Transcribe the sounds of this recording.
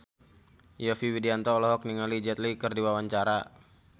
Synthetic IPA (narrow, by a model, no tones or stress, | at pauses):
jɔfiwidiant̪ɔlɔɦɔk̚niŋalid͡ʒɛt̪likɨrdiwawaɲt͡ʃaɾa